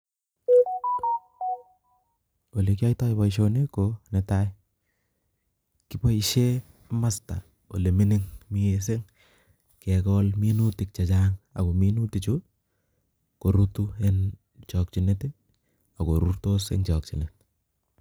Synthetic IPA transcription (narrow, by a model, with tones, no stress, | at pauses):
o˨lekja˦jta˦jba˨iʃ̬one˦kone˨taj | kɪbɔ˦i˨ʃe | ma˦sta̰˨ | o̰˨le˨mi˦niŋmies̬e˦ŋ | kɛkɔlmi˦nu˦tɪ˨k̚t͡ʃa˨t͡ʃaŋa̰˨ɡo˨mi˦nu˦ti˨t͡ʃʊ | ko˨ɾutu˦e˦n | t͡ʃɔ˨k̚t͡ʃi˨nete˦ | a˨ɡo˨ɾu˦rto˦sḛnt͡ʃɔk̚t͡ʃinet